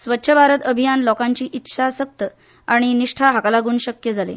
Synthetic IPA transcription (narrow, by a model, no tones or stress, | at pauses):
sʋət̪ːɕʰəbʱaɾət̪əbʱijanlɔkaɲt͡ɕiːʔit̪ːɕʰasək̚t̪ə | aɽ̃iniʂʈʰaɦaklaɡuːnɕəkjəd͡zʱalḛ